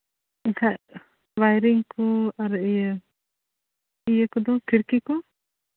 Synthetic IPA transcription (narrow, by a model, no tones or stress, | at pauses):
ikʰa | wajɾiŋkɔaɾiə | ijəkɔd̪ɔ̃kiɾkikɔ